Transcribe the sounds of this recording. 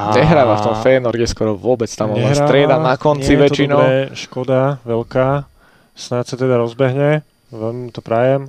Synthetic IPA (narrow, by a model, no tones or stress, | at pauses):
ɲɛɦɾaːʋaft̪ɔmfɛːnɔɾɡɛskɔɾɔʋʊɔbɛt͡st̪amɔnaɾsat̪ɾɪɛd̪anakɔnt͡siʋɛt͡ʃinɔɛʃkɔd̪aʋɛʎkaː | snasat̪ɛd̪aɾɔzbɛɦɲɛ | ʋɛmt̪ɔpɾajɛm